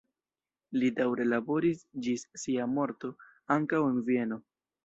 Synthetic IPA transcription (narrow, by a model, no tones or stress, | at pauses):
lidawɾe̞labo̞ɾisd͡ʒisːiamo̞ɾto̞ | aŋkawe̞nvie̞no̞